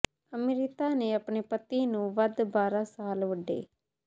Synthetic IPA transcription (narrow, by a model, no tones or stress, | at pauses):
əmeɾɪkaːneːəpɳeːpət̪ːiːnũːʋəd̪baːɾãːsaːlʋəɖːḛː